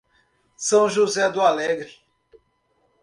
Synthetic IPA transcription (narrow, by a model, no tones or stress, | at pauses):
sɐ̃w̃ʒuzɛd̪ʊalɛɡɾɪ